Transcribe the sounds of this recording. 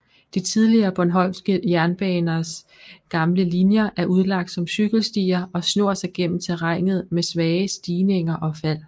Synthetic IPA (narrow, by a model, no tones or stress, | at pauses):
d̥it͡sʰið̞ˠliɐːb̥ɒnɦɒ̽l̰sɡ̥əjæɐnb̥ɛːnɐs | ɡ̥ɑ̈mləlinjɐʔæɐʔuð̞ˠlɑ̈ɡ̥̚d̥sɒ̽msyɡ̥l̩sd̥iːɐɒ̽snɔ̝ɐ̰sɑ̈ɪɡ̥en̰m̩t͡sʰeʁɑŋ̰ð̞̩ˠmesʋɛːɪəsd̥iːne̝ŋɐʔɒ̽fæl̰